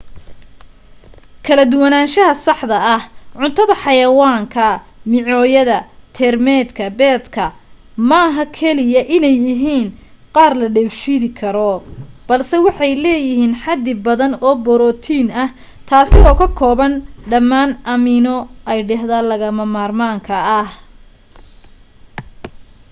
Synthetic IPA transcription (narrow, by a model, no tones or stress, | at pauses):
kʰɐlɐd̪ʊwɐnaːnʃɐɦɐsɑħd̪ɐɐhʕʊnt̪ʰɐðɐħɑjɐwaːŋkʰɐ | mɪʕɔːjɐðɐt̪ʰɛrmɛːd̪kʰɐbɛːd̪kʰɐ | mɐɦɐkʰɛlɪjɐʔɪnɛjːɪɦiːn | qɑːrlɐɖɛfiðɪkʰɐɾɔb̥ɐlsɛwɑħɑjlɛːjɪɦiːnħɑd̪ɪbɐðɐnɔːbɔɾɔːt̪ʰiːnɐh | t̪ʰaːsɪɔːkʰɐkʰɔːβɐnɖɐmːaːnʔɐmɪnɔʔɛjɖɛhðaːlɐɣɐmɐmaːrmaːŋkʰɐːh